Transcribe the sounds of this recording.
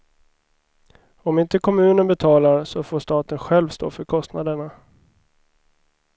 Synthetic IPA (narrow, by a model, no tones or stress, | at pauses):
ɔmɪnt̪əkʰɔmʉ̟ːnənbɛt̪ʰɑːlaɾsɔfoːʂt̪ɑːt̪ənɧɛlvst̪o̰ːfœɾkʰɔst̪nad̪əɳa